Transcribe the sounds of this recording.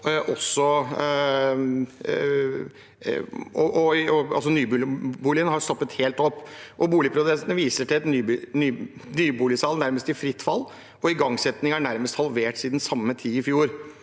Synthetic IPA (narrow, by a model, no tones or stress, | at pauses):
ʔɔsːɔ | ɔʔɔɔɑ̰ls̬ɔnyːb̪buːlɪənhɑɾst̪ɔpːət̪heːlt̪ɔpːʔɔbuːlɪpʰɾʊd̪ɛst̪nəʋiːsəʈʰɪlɛt̪nːnyːnyːbuːlɪsɑːlnæɾməst̪ɪfɾɪt̪ːfɑlː | ɔɪɡɑŋsɛt̪nɪŋæɳæɾməst̪hɑlʋeːʈsiːd̪nsɑmːət̪ʰiːɪfjuːɾ